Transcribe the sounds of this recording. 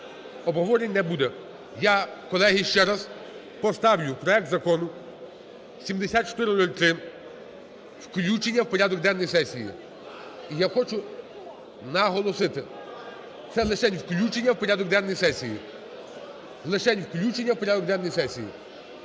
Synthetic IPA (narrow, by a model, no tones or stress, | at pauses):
ɔbɦɔʋɔɾʲenʲnːɛbud̪ɛ | jakɔlˠɛɦiʃt͡ʃɛɾɐz | pɔst̪ɑwlʲʊpɾɔɛk̚t̪zɐkɔnʊ | sʲimd̪esʲat̪̚t͡ʃɔ̥t̪ɪɾɪmnɔlʲt̪ɾɪ | wklʲut͡ʃenʲːɐwpɔɾʲad̪ɔkd̪ɛnːɔjsɛsʲijḭ | ijaxɔt͡ʃʊ | nɐɦɔlˠɔsɪt̪ɪ | t̪sɛlˠɪʃɛnʲwklʲut͡ʃenʲːɐwpɔɾʲad̪ɔkd̪ɛnːɔjsɛsʲijḭ | lˠɪʃɛnʲwklʲut͡ʃenʲːɐwpɔɾʲad̪ɔk̚d̪ɛnːɔjsɛsʲijḭ